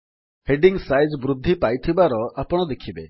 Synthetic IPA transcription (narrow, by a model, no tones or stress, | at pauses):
heɖiŋsajd͡ʒbɾud̪ʱːipajt̪ʰibaɾɔapɔɽ̃ɔd̪ekʰibe